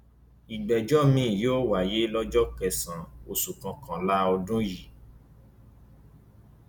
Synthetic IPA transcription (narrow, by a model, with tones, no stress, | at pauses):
i˨ɡ͡bɛ˨d͡ʒɔ˦mĩ˦˨joː˦wa˨je˨˦lɔ˦d͡ʒɔ˦kɛ˧˨sã˨o˨sũ˨kã˨˧kã˨la˦ɔ˧dũ˦ji˨